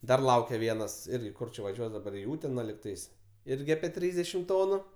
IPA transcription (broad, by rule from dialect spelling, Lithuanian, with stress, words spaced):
ˈdɐr ˈlˠɐʊkʲɛ ˈʋʲiɛnɐs ˈɪrʲɡʲɪ ˈkʊr t͡ʃʲɛ ʋɐˈʒʲuɔs dɐˈbɐr ɪ ˈuːtʲɛnɐ lʲɪkˈtɐɪs ˈɪrʲɡʲɪ ɐpʲiɛ ˈtʲrʲiːzʲdʲɛʃʲɪm ˈtoːnʊ